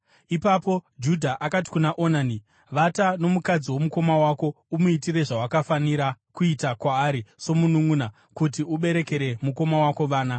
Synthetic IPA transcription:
ipapo̞d͡ʒudʱaʔakat̬i̥kunaʔo̞nani | ʋatano̞mukad͡ziwo̞muko̞mawako̞ | umuitire̞ʐawakafaniɾakuitakwaːɾiso̞munuŋuna | kutiuɓe̞ɾe̞ke̞ɾe̞muko̞mawako̞ʋaːna

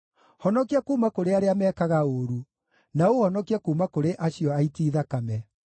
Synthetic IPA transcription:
hɔnɔkiakuːmakoɾeaɾeamɛːkaɣaoɾu | naohɔnɔkiakuːmakoɾeʔaɕiɔaitiːðakamɛ

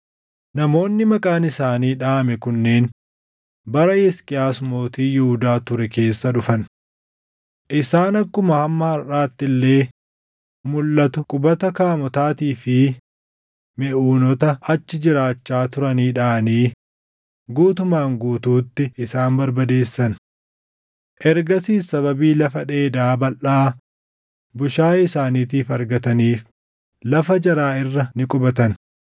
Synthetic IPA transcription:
nɐmo̞ːnːɪmɐkʼaːnɪsaːniːᶑaːmɛkʊnːeːn | bɐɾɐɛskʼɪjaːsmo̞ːt̪iːjɪhʊd̪aːt̪ʊɾɛke̞ːsːɐᶑʊfɐn | ʔɪsaːnɐkːʊmɐhɐmːɐhɐɾaːt̪ːɪlːe̞ː | mʊlːɐt̪ʊkʼʊbɐt̪ɐkaːmɔt̪aːt̪iːfɪ | mɛʔuːnɔt̪ɐɐt͡ʃːɪd͡ʒɪɾaːt͡ʃːaːt̪ʊɾɐniːᶑaːniː | ɡuːt̪ʊmaːŋɡuːt̪uːt̪ːɪɪsaːnbɐɾbɐd̪e̞ːsːɐn | ʔɛɾɡɐsiːsɐβɐbiːlɐfɐᶑe̞ːd̪aːbɐlʔaː | bʊʃaːɪsaːniːt̪̬iːfɐɾɡɐt̪ɐniːf | lɐfɐd͡ʒɐɾaːɪrːɐnɪkʼʊbɐt̪ɐn

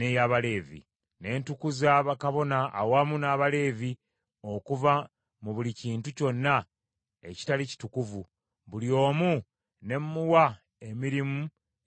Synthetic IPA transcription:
nejaβale̞ːvḭ | ne̞ːntukuzaβakaβo̞na̰ːwamunaːβale̞ːvi | o̞kuva | muβuliciːntuco̞nːa | e̞ci̥talici̥tukuvu | βuljo̞ːmu | ne̞mːuwa | e̞miɾimu

